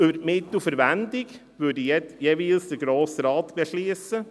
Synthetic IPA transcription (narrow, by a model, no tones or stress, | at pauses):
ʉbəɾmɪt̪ːufəɾʋænd̪ɪɡ | ʋʉːdəjɛtjeːʋiːlsd̪əɡɾoːsɾɑːt̪b̥ɛʃliəsə